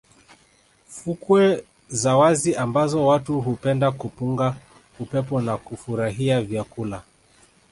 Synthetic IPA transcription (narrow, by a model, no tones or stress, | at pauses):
fukwɛ | zawaziambazɔwatuɦupɛndakupuŋɡa | upɛpɔnakufuɾaɦiavjakula